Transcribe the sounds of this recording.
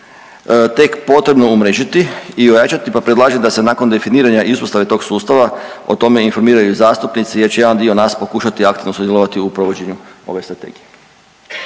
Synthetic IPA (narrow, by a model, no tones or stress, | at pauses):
t̪e̞kpo̞t̪ɾe̞bno̞umɾeːʒit̪iiojat͡ʃat̪ipapɾed̪lˠaːʒed̪ase̞naːkond̪e̞finiːɾaɲaʔispost̪aʋet̪o̞ɡsuːst̪aʋa | o̞̰t̪o̞me̞info̞ɾmiːɾajuizaːst̪upnit̪sijeɾt͡ɕejed̪and̪io̞naːspo̞kuːʃat̪iakt̪iʋnosud̪jeloʋat̪iupɾo̞ʋo̞d͡ʑe̞ɲuo̞̰ʋe̞st̪ɾat̪e̞̰ːɡije